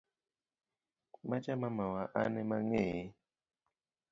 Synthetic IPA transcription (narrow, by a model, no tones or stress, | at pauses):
mat͡ʃamamawaʔanɛmaŋe